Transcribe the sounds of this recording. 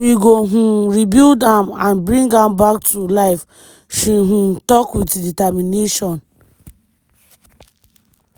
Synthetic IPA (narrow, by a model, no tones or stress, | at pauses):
wiɡoɦũɹibildãmãnbɹĩŋɡãmbak̚tulaɪf | ʃiɦũtɔkwitditamineʃɔ̃n